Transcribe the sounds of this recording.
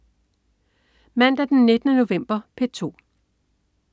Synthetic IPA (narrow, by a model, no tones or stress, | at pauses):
mæn̰d̥æɐd̥enːe̝d̥ənəno̝ʋem̰b̥ɐpʰe̝t͡sʰo̝̰ː